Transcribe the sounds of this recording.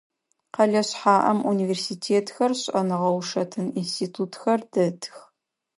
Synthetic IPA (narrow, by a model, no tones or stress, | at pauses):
qɐɮɐɕħaːʔɐmʔuniveːrsiːtʰeːtʰxɐrɕʼɐnɨʁɐwʂɐtʰɨninstʰiːtʰuːtxɐrdɐtʰx